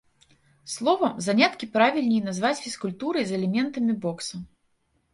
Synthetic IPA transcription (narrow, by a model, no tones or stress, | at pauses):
slˠɔvɐmzanʲat̪kʲipɾavʲilʲnʲijnazvat͡sʲfʲiskulʲt̪uɾɐjzɛlʲɛmʲɛnt̪ɐmʲibɔksɐ